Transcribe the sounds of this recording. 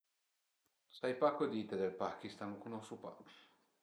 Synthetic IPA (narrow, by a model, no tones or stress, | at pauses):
sajpakod̪it̪ed̪elpakist̪anukunosupa̰̥